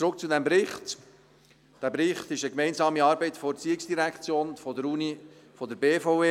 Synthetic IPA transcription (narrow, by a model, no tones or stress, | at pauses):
t͡sɾʊk̚t͡sud̪ɛmbɾɪχt̪ | d̥æːbɾɪχt̪ɪʃəkmɛɪnzɑːmiɑːɾbɛɪtfɔɾt͡siɪksd̥iɾækχt͡sjoːnfɔdəɾuni | fɔd̪əɾbeːfɔʊeː